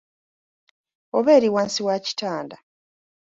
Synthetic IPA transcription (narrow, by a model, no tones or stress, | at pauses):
oβe̞ːɾiwaːnsiwaci̥taːnda